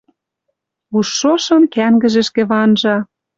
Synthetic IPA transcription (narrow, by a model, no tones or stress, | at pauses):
uʃːoʃɤ̆nkæŋɡɘ̆ʒĕʃkĕβɑnʒɑ